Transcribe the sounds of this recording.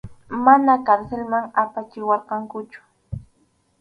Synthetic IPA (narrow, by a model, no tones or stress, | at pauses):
manakaɾselmaŋapat͡ʃɪwɑɾqɑŋkʊt͡ʃʊ̥